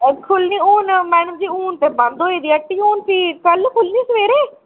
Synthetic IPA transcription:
kʰʊlniːuːnmɛːnəmd͡ʒiːuːnt̪eːbə̃nd̪oːeːd̪iːəʈːiːuːnsiːkəlkʰʊlniːsəʋeːɾeː

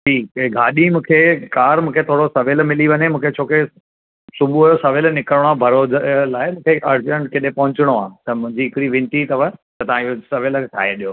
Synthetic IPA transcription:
ʈʰiːkɡʱaːɗimũːkʰekaːɾmũːkʰet̪ʰoːɽosɐʋɪlmɪliʋɐɲemũːkʰet͡ɕʰoːke | sʊbʱuɐjosɐʋɪlnɪkəɾɽ̃obʱɐɾoːzlaːɪmũːkʰeʔɐɾd͡ʑəɳ̃ʈkɪɗẽpɐ̃ɦʊ̃ɲt͡ɕɪɽ̃oaːt̪ɐmʊ̃ɦɪ̃ɲd͡ʑiɪkɪɾiʋɪ̃ɳʈit̪ɐʋət̪ɐt̪ɐʋ̤ãiosɐʋɪltʰa̰ːɦeɗijoː

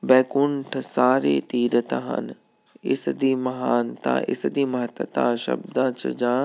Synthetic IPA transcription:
bɛːkʊɳʈʰsaːɾḛt̪iːɾət̪aɦɐ̰n | ɪsd̪iːmɐɦaːnt̪ã̰ʔɪ̰sd̪iːmɐɦət̪ət̪ã̰ːʃɐ̰bd̪ãːt͡ɕɐ̰d͡ʑãː

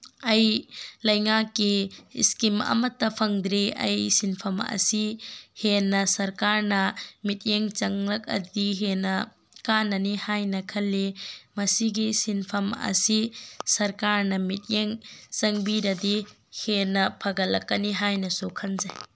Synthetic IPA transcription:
ɐjlɐjŋakːiːskimɐ̰mɐtːɐpʰɐŋd̪ɾiɐ̰jsinpʰɐmɐ̰sihenːɐsɐɾkaɾnɐmit̚jeŋt͡ʃɐŋlɐk̚ɐ̰diɦenɐ | kanːɐnihajnɐkʰɐlːimɐsiɡisinpʰɐmɐ̰sisɐɾkaɾnɐmit̚jeŋt͡ʃɐŋbidɐdi | henɐpʰɐɡɐlːɐkːɐniɦajnɐsukʰɐnzaj

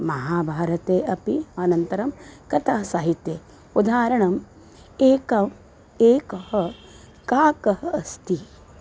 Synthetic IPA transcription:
mɐɦaːbʱaːɾɐt̪eːʔɐpiɐnɐnt̪ɐɾɐmkɐt̪ʰaːsɐɦit̪jeː | ud̪ʱaːɾɐɳɐm | eːkɐm | eːkɐhɐ | kaːkɐhɐɐst̪i

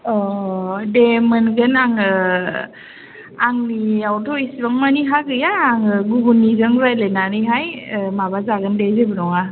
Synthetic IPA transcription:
ɔdemɯnɡɯnaŋɯ | aŋniawtʰɔisibaŋmaniɦaɡɯjaːŋɯɡuɡunizɯŋɾajlenanɯɦajmabazaɡəndezebɯnɔŋa

